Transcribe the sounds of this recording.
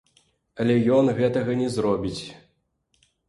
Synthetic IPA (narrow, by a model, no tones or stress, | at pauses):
ɐlʲɛjɔnɣɛt̪ɐɣɐnʲɛzɾɔbʲit͡sʲ